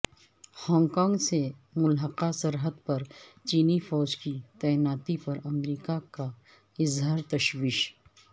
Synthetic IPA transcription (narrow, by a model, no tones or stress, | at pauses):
hɔ̃ːŋɡkɔ̃ːŋɡsemʊlɦəqasɐɾɦəd̪pɐɾt͡ʃiːnifɔːd͡ʒkit̪ɛːnaːt̪ipɐɾɐmɾiːkaka | ɪzɦaːɾt̪ɐʃwiːʃ